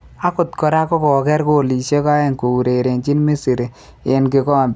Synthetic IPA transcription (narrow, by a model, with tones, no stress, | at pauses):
a˦kʊ˨t̪kɔ˨ɾa˦kɔ˦kɔ˨kɛ˦ɾko˦˨li˨ʃe˦ka˦e˦ŋko˨u˨ɾe˨ɾe˨nt͡ʃi˦nmi˦si˨ɾi˨ | jɛ˨˦nke˨kɔ˦˨m